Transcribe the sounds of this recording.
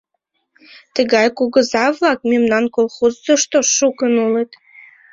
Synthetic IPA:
t̪əɣɑjkuɣəzɑβlɑk̚memnɑnkolˠxozːoʃt̪oʃukənulet̪

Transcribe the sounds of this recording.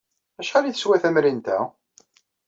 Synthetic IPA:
æʃæliθəswæθæmɾint̪æ̰

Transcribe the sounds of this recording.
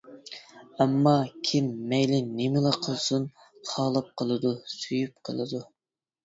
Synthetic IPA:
ɛmːɑkʲʰimːɛjlɪnemɪlˠɑqʰəlˠsun | t̪ʰɑːlˠɑp̚qʰəlˠɨd̪usyjyp̚qʰəlˠɨd̪u

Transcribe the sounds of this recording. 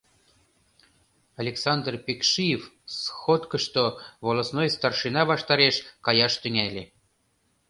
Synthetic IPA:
ɑlʲeksɑnd̪rpʲekʃijef | sxot̪kəʃt̪oβolˠosnojst̪ɑrʃɨnɑβɑʃt̪ɑɾeʃkɑjɑʃt̪yŋælʲe

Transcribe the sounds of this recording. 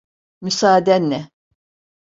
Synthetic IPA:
mysaːd̪ɛnːɛ

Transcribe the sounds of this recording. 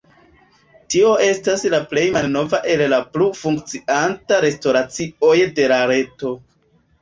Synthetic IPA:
tio̞ʔe̞staslaple̞jmalno̞vaʔe̞llaplufuŋk̚t͡siantaɾe̞sto̞ɾat͡sio̞jde̞ɾaɾe̞to̞

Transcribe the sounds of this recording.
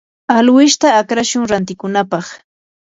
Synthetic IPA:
alwɪʃt̪aːkɾaʃʊŋɾant̪ɪkʊnapɑχ

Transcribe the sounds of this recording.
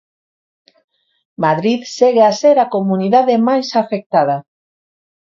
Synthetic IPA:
maðɾiðseɣeaseɾakomuniðaðemajsafek̚t̪að̞a

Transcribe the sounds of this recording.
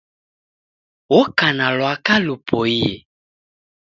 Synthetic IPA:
wɔkanalɔakalupɔijḛ

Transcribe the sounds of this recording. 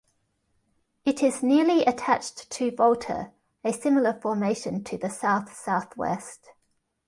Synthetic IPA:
ɪtʰɪznɪəliətʰat͡ʃttʰəvɒlˠtʰə̰ɹ | əsɪml̩ˠəfɔːmeɪʃə̃ntʰəðəsaʊθsaʊθwɛ̰st

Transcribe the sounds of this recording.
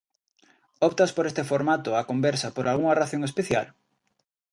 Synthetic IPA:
ɔpt̪ɐspoɾest̪efoɾmat̪oakombɛɾsɐpoɾʔalɣuŋɐraθoŋespeθja̰l

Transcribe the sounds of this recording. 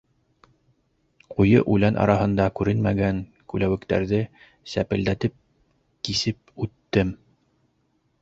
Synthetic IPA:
qujɤ̰ʔʉlænʔɑ̰ɾɑhɤ̆nd̪ɑkʉɾɘnmæɡæŋ | kʉlæwɘ̆kt̪æ̰ɾðɘ | sæpɘ̆ld̪æt̪ɘp̚ | kisɘp̚ʉt̪ːɘm

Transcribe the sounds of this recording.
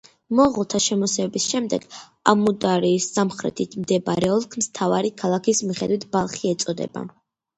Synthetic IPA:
mɔʁlˠt̪ʰaʃɛmɔsɛbisʃɛmd̪ɛɡ̥ | a̰mud̪aɾiːsːamχɾɛ̰t̪ʰit̪ʰmd̪ɛbaɾɛɔlˠkʰmst̪ʰava̰ɾikʰalˠakʰismiχɛd̪wit̪ʰb̥alˠχiɛt̪sʼɔd̪ɛ̰ba̰

